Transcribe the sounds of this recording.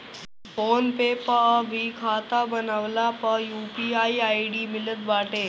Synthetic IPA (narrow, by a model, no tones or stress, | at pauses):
foːnpeːpəʋiːkʰaːt̪abənaʋlapəjuːpiaiaiɖiːmɪlət̪ʋaːʈe